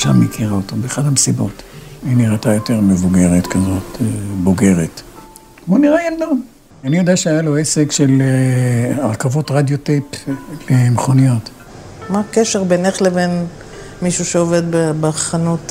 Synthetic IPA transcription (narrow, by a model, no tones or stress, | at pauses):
ʃa̰mekʰiʁaot̪obeχadamesibot̪iniʁat̪ajot̪eʁmevuɡe̞ʁet̪kazateboɡe̞ʁet | boniʁajald̪om | anijod̪eaʃeajaloesekʃel | aʁkavo̞t̪ʁad̪joteplemeχonijo̞t̪ | makeʃeʁbeneχleven | miʃuʃeove̞d̪bebeaχanut̪